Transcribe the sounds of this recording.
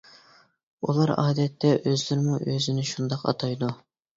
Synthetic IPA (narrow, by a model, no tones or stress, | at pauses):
ṵlˠɑɾɑ̰ːd̪ɛt̪ʰːɛʔøzlɪɾmuʔøzɪnɪʃund̪ɑqɑ̰t̪ʰɑjd̪u